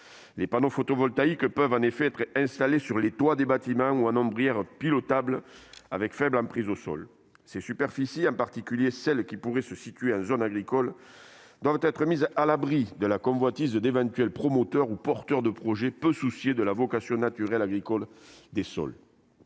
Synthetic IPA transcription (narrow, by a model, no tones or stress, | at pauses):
lepanofot̪ɔvɔlt̪aikpœvɑ̃nefeɛt̪χɛ̃st̪alesyʁlet̪wad̪ebat̪imɑ̃uɑ̃nɔ̃bʁijɛʁpilɔt̪ablavɛkfɛblɑ̃pχizosɔ̰l | sesypɛʁfisiɑ̃paʁt̪ikʲyljesɛlkʲipuʁesəsit̪ɥeɑ̃zɔnaɡʁikɔl | d̪wavət̪ɛt̪χəmizalabʁid̪əlakɔ̃vwat̪izd̪evɑ̃t̪ɥɛlpχɔmot̪œʁupɔʁt̪œʁd̪əpχɔʒepøsusjed̪əlavɔkasjɔ̃nat̪yʁɛlaɡʁikɔld̪esɔ̰l